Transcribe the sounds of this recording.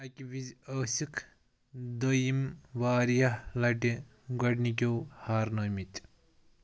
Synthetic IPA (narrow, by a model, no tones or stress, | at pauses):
ɐkʲibizɐːsikʰ | d̪ɐjimʋaːɾijɐhlɐʈi | ɡɐʈnik̬ʲowhaːɾnɐmit̪ʲ